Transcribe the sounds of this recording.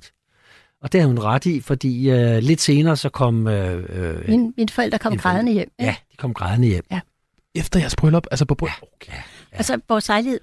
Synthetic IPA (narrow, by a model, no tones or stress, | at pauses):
ɒ̽d̥e̝hæðˠhunʁɑd̥ifɒ̽d̥ḭːøle̝d̥se̝ːnɐːsɒ̽kʰɒ̽m̰ø | inminfɒ̽el̰d̥ɐkʰɒ̽m̰ɡ̥ʁɑðˠɐnəjem̰jæd̥i̥kʰɒ̽mɡ̥ʁɑðˠənəjem̰ | efd̥ɐjæɐsb̥ʁœlɒb̥ælsəpʰɒb̥ʁ̥ | ælsəʋɒːsɑ̈ɪlihe̝̰